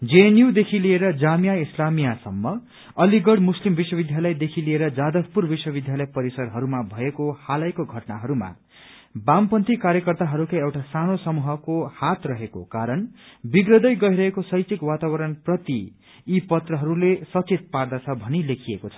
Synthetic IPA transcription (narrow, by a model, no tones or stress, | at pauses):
d͡zenjiwd̪ekʰilieɾʌd͡zamijaislamijasʌmːʌ | ʌliɡʌɽmuslimbiswʌbid̪ʱjalʌjd̪ekʰilieɾʌd͡zad̪ʌk̚purbiswʌbid̪ʱjalʌjpʌɾisʌɾɦʌɾumabʱʌekohalajkoɡʱʌʈna̰ɦʌɾuma̰ | bampʌnt̪ikaɾjʌkʌrt̪aɦʌɾukajewʈasanosʌmuɦʌkohat̪rʌɦeko̰kaɾʌnbiɡrʌd̪ʌjɡʌjɾʌɦekosʌjt͡sikwat̪abʌɾʌnprʌt̪iː | pʌt̪rʌɦʌɾulesʌt͡sit̪̚pard̪at͡sʰʌbʱʌnilekʰijekot͡sʰʌ